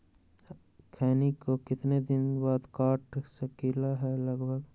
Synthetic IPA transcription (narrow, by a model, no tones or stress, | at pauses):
kʰɛːnikokɪt̪ned̪ɪnbaːd̪kaːʈsəkiːlaɦɛləɡbʱəɡ